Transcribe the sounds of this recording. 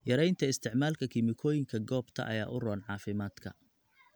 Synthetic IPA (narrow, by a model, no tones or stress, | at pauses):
jɐɾɛjnt̪ʰɐɪst̪ʰɪʕmaːlkʰɐkʰɪmɪkʰɔːjɪŋkʰɐɡɔːbt̪ʰɐ̰ʔɐ̰ja̰ːʔʊrɔːnʕɑːfɪmaːd̪kʰɐ̰